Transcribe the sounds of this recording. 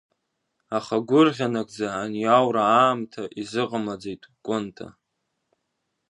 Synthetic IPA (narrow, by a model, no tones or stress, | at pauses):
aχaɡʷʊrʁʲanakʼd͡zaːnjawɾaaːmtʰaʔizɨqʼamad͡zejtʼkʷʼʊntʰa̰